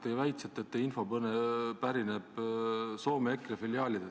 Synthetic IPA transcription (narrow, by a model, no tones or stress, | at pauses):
t̪ejvæjt̪set̪ːˑet̪ːeinfo̞bɤnepæɾineb̥soːmekːɾefiljɑːlid̪̥e